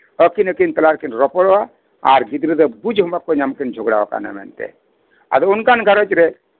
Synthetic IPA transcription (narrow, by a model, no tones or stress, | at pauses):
əkinəkint̪əlaɾkinɾɔpɔɽɔa | a̰ɾɡid̪ɾid̪əbud͡ʒɦɔmbakonamkind͡ʒʱɔɡɽa̰a̰ka̰na̰mɛ̰nt̪ɛ̰ | a̰d̪unkanɡʱəɾɔt͡ʃɾɛ